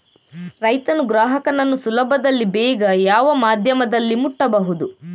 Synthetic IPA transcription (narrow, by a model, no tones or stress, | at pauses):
ɾɐjt̪ɐnuɡɾaːɦɐkɐnɐnːusulɐbʱɐd̪ɐlːibɛːɡɐjaːʋɐmaːd̪ʱjɐmɐd̪ɐlːimuʈːɐbɐɦud̪u